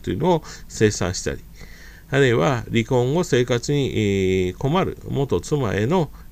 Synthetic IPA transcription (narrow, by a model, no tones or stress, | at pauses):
t̪ːojiɯ̟noose̞ːsã̰ɰ̃ɕi̥t̪a̰ɾʲi | aɾɯ̟iβaɾʲikõ̞ŋɡo̞se̞ːkat͡sɨɲ̟iko̞maɾɯ̟̰mo̞t̪o̞t͡sɨma̰e̞no̞